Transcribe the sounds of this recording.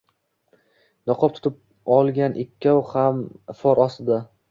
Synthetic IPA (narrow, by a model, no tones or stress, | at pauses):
nɒqʰɒp̚t̪ʰʊ̥t̪ʰɪp̚ | ɒlˠɡʲanʔɪkʲʰːawhamfɒɾɒst̪ɪd̪a